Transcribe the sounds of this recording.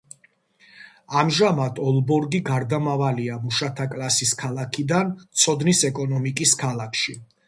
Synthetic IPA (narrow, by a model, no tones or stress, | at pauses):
amʒamat̪ʰɔlˠbɔɾɡiɡaɾd̪amavaliamuʃat̪ʰakʼlˠasiskʰalˠakʰid̪ant̪sʰɔd̪nisɛkʼɔnɔmikʼiskʰalˠakʰʃi